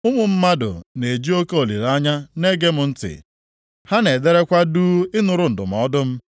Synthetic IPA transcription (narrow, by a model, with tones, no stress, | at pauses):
ʊ˦mʊ˨m̩˦ma˦dʊ̰˨ne˨d͡ʒi˦o˦ke˦o˨lḭ˨ɾa˦ɲa˦ne˦ɡe˦mʊ˨n̩˦tɪ̰˨ | ha˦ne˨de˦ɾe˦kʷa˦duː˦ɪ˦nʊ˨ɾʊ˨n̩˨dʊ̰˨m̩˨ɔ˦dʊ˦m̩˦